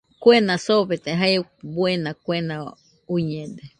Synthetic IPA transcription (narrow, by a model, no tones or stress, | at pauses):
kʷwenãsoβet̪eɦajbwenãkʷenã | uɲẽd̪e